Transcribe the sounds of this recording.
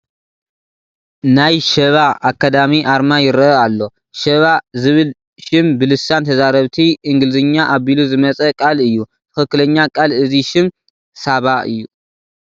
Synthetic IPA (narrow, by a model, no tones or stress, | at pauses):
najʃɐβaʔakːad̪amiʔaɾmajɪɾɐəalːo̞ | ʃɐβazɨβɨl | ʃɪmbɨlɨsant̪ʰɐzaɾɐβt̪ʰiʔɨŋɡɨlɨzɨɲːaʔaβiluzɨmɐt͡sʼɐkʼalɨjːut̪ʰɨ̥xɨkːɨlɐɲːakʼalɨziʃɪm | saβaʔɨ̰jːu